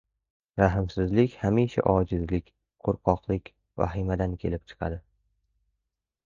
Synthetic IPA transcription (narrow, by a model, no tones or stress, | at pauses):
ɾaɦɪmsɪzlɪkʲhamiʃa̰ʔɒd͡ʒɪzlɪkʲ | qʰoɾqʰɒqlˠɪkʲ | va̰ɦɪmad̪ankʲʰe̞lɪp̚t͡ʃʰɨ̥qʰɑ̰d̪ɪ